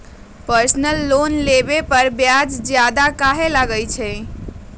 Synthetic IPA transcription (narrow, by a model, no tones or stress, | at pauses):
pəɾsnəlːonlebepəɾbjad͡ʒd͡ʒjad̪akaɦelaɡəjt͡ʃʰɛ